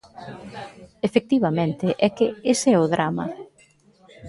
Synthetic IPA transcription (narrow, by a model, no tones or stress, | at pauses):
efek̚t̪iβ̞ɐmẽnt̪ɪʔɛkɪesɛʊðɾamɐ̰